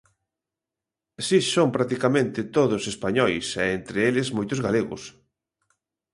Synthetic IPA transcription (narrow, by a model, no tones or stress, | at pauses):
sisompɾat̪ikamẽnt̪ɪt̪oðʊsespaɲɔjsɛent̪ɾeelɪzmojt̪ʊzɣaleɣʊ̰s